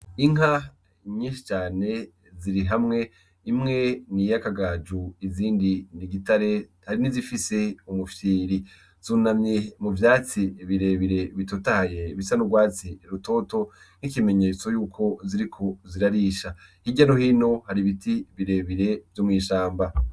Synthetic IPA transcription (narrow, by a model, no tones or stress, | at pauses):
iŋɦa | ɲiːnʃi̥t͡ʃaːne̞ | ziɾiɦamŋe̞ | imŋe̞nijakaɡaːd͡ʒuiziːndiniɡitaɾe̞haɾinizifise̞umufiːɾi | z̥uːnamɲemuvjaːt͡siβiɾe̞βiɾe̞βitotahajeβisanuɡwaːt͡siɾuto̞ːto̞ | n̥ikime̞ɲe̞t͡so̞juːkʰo̞ziɾikʰo̞ziɾaɾiʃahiɟanohiːno̞haɾiβitiβiɾe̞βiɾe̞vjomŋiːʃaːmba